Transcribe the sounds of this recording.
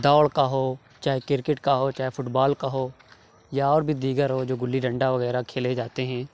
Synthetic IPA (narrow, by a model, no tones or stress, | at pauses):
d̪aːɭkaɦoː | t͡ʃaːɦekɪɾkɪʈkaɦoːt͡ʃaːɦefʰʊʈbaːlkaɦoː | jaɔːɾbʱid̪iːɡəɾɦoːd͡ʒoːɡʊlːiɖə̃ɳɖaʋəɣɛːɾakʰeːled͡ʒaːt̪eɦɛ̃ː